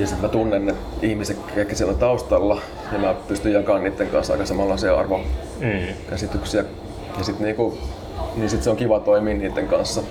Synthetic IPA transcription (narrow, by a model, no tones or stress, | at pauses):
jɑsit̪mæt̪unːenːet̪ihmisekːeˑikːæsiælːæt̪ɑust̪ɑlːɑ | jɑmæpyst̪yjjɑkɑːnniːt̪ːeŋkɑ̰nsːɑ̰ikɑsemɑlːɑseɑ̰rʋo | kæsit̪yksiæ | jɑsit̪niːku | niːsit̪seoŋkiʋɑt̪oimiːnniːt̪ːeŋkɑ̰nsːɑ